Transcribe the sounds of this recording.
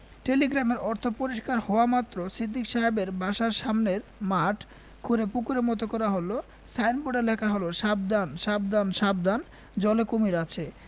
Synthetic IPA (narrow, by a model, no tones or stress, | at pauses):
ʈeliɡɾameɾɔɾt̪ʰopoɾiʃkaɾhɔoamat̪ːɾosid̪ʱːikʃaɦebeɾbʱaʃaɾʃamneɾmaʈ | kʰuɾepukuɾemɔt̪okɔɾaɦolo | sʰajnboɖelɛkʰaɦoloʃab̚d̪anʃab̚d̪anʃab̚d̪an | d͡ʑɔlekomiɾat͡ɕʰe